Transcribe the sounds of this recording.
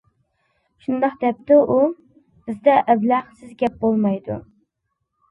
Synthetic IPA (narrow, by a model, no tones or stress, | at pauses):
ʃund̪ɑqd̪ɛp̚t̪ɪʔu | b̥ɪzd̪ɛʔɛblæχsɪzɡʲɛp̚bolˠmɑjd̪ṵ